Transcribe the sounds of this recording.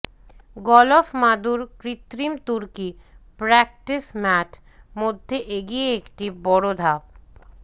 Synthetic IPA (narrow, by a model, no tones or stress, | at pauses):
ɡɔlofmad̪uɾkɾit̪ɾimt̪uɾkipɾɛk̚ʈismɛʈ | mod̪ʱːeʔeɡieekʈibɔɽod̪ʱap̚